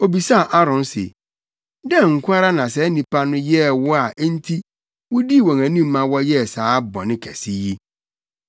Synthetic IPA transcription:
o˨bi˨sa˦˨ʔa˦ɾɔ̃˨n˦sḛ˨ | dɛ̃˦ŋ̩˨kʷʰa˦ɾa˦nã˨sɛ˨˦nĩ˨pa˦nʊ̃˦jɛ˦˨wʊ˦a˨ʔn̩˦tʰi˦ | wʊ˦di˦˨wɔ̃˨ŋæ̃˨nĩ˦mː˦ã˦wɔ˦jɛ˦˨saː˨˦bɔ̰˨nɪ̃˦kʰæ̰˨si˦ji˦

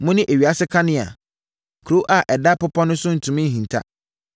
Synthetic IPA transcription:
mʊ̃˦nɪ̃˦ʔe˨ɥi˨a˦sɪ˦kʰa˦nɪ̃˦a̰˨ | kʰɾo˦ʔa˨ʔɛ˨da˦pʊ˦pʰɔ˦nʊ̃˦sʊ̃˦n̩˨tʰũ˨mĩ˦n̩˦ɦĩ˨ntʰa̰˦

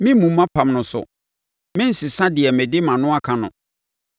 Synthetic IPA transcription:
mɪ̃˦mũ˨mː˦ã˦pʰã˨mnʊ̃˨sʊ̰˨ | mɪ̃˦n̩˨sɪ˨sã˦dɪ˨ɛ˨mɛ̃˨dɪ˦mã˨nʊ̃˦a˦kʰã˨nʊ̰̃˨

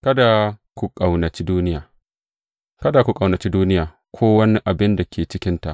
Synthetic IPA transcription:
kɐ˦da˨kʷu˦kʼa˨wnɐ˨t͡ʃi˦duː˦nɪ˦jaː˨ | kɐ˦da˨kʷu˦kʼa˨wnɐ˨t͡ʃi˦duː˦nɪ˦jaː˨ | kʷʰoː˦wɐ˦ni˦ʔa˨bɪ˦nda˨kʲʰeː˨t͡ʃɪ˦kʲɪ˦nta˨ʔ

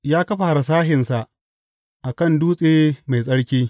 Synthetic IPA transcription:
jaː˦kɐ˦ɸa˨ha˨ɾa˨s̬aː˦ɦɪ˨nsa˨ʔ | ʔa˨kɐ˦˨nduː˦sʼeː˦ma˨jsʼɐ˦ɽkʲiː˦

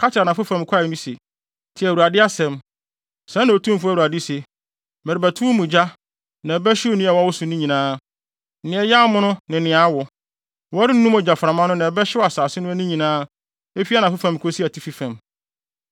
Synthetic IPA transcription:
kʰa˦tʰɪ˨ɾa˨nã˨fʊ˦fã˨m˨kʰʷa˦˨nũ˦se˨ | tʰɪ˨ɛ˨u˨a˨dɪ˦a˦sɛ̃˨m | sã˦nã˨o˨tʰũ˦m˨fu˦˨u˨a˨dɪ˦se˨ | mɛ˨ɾɪ˨bæ˨tʰu˦mũ˨d͡ʑa˦ | nã˨bɛ˦ɕɪ˦o˦nũ˦a˨wa˦wʊ˦sʊ̃˨nĩ˦ɲĩ˨nãː˦ | n̩˨nɪ̃˦˨ɛ˨˦ja˦mʊ̃˦nʊ̃˦nɪ̃˨nɪ̃˨a˨˦wɔ˨ | wɔ˦ɾɪ˦n̩˦nũ˦mɔ˨d͡ʑa˨fɾa˨mã˦nʊ̃˦nã˨ɛ˨˦bɛ˦ɕɪ˦wa˨saː˨sɪ˦nʊ̃˦æ˦nĩ˦ɲĩ˨nãː˦ | e˦fi˦a˦nã˨fʊ˦fã˨m˨kʰo˦si˦æ˨tʰi˦fi˦fæ̃˨m

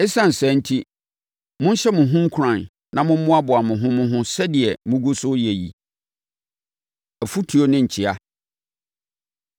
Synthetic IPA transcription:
e˦sã˦n̩˨sɛ̃˨˦n̩˦tʰi˦ | mʊ̃˦n̩˦ɕɛ˦mʊ̃˨ɦʊ̃˦ŋ̩˦kʰʊ˨ɾã˨n | nã˨mʊ̃˦mʊ̃˦a˦bʊ˨a˨mʊ̃˨ɦʊ̃˦mʊ̃˦ɦʊ̃˦sɛ˦dɪ˨ɛ˨mʊ̃˦ɡu˦sʊ˦je˨jḭ˨ | æ˨fu˦tʰu˨o˦nɪ̃˦ɲ̩˨t͡ɕʰi˦a˨

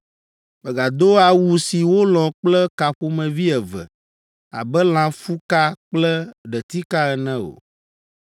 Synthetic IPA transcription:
bɛ˨ɡa˨d̪o˦a˨wu˨si˨wo˦lɔ̃˨k͡plɛ˦ka˨ɸo˦mɛ̃˨vi˦ɛ˨vɛ̰˨ | a̰˨bɛ˦l̃ã˨fu˦ka˦k͡plɛ˦ɖɛ˨t̪i˦ka˦ɛ˨nɛ̃˦o̰˨

